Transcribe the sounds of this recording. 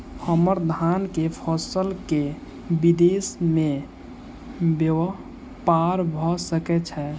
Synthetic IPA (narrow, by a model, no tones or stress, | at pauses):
həməɾd̪ʱankepʰɔsəlke | bid̪esmẽ | bjəʋə | paɾbʱɔsəkɛt͡ʃʰɛ